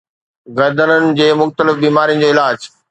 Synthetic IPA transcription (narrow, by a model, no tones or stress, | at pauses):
ɣɐɾd̪ənənɪ̆d͡ʑeːmʊxt̪əlɪfbiːmaːɾijə̃nd͡ʑoːɪlaːd͡ʑ